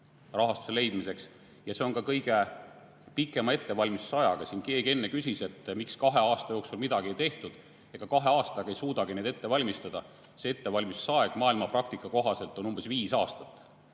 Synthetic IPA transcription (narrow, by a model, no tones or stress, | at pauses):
rɑɦɑst̪u̥se̞le̞jd̪̥mise̞ks | jɑse̞o̞nkɑkɤjɡ̥e | pikːˑe̞mɑe̞t̪ːe̞vɑlʲmissɑjɑɡ̥ɑsinke̞ːɡie̞nːe̞kysʲise̞t̪ːmikskɑɦe̞ɑːst̪ɑjo̞ːksulmid̪ɑɡ̥iejt̪e̞ht̪ud̪̥ | e̞ːɡ̥ɑkɑɦe̞ɑːst̪ɑɡ̥ɑe̞jsuːd̪ɑɡ̥ined̪e̞t̪ːe̞vɑlʲmist̪ɑd̪̥ɑ | see̞t̪ːe̞vɑlʲmissɑeɡ̥mɑːilmɑprɑk̚t̪ikːˑɑko̞ɦɑse̞lt̪ːˑo̞numb̥e̞sviːsɑːst̪ɑt̪ːˑ